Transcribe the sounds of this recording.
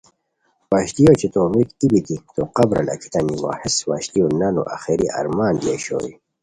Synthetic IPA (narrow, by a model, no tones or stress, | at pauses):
waːɕt̪ijot͡ɕit̪omikt̪ibit̪it̪oqɐbɾɐ̰lɐ̰kʰi̥t̪ɐniwa̰ːheswa̰ːɕt̪ijonɐnṵʔɐ̰xiɾiʔɐ̰ɾmaːnleɕo̰ːi